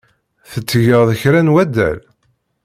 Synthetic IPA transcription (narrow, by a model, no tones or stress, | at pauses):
θət͡sːʝəðˤəçɾænwæd̪æ̰l